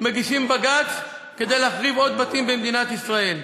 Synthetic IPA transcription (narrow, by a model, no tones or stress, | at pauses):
meɡiʃimbaɡat͡s | ke̞d̪e̞jleafʁivo̞d̪̚bat̪imbemd̪inat̪isʁae̞l